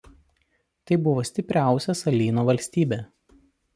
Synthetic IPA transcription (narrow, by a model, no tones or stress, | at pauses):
t̪ɐɪbʊʋoːsʲt̪ʲɪpʲɾʲæˑʊsʲɛsɐlʲiːnoːʋɐlʲsʲt̪ʲiːbʲeː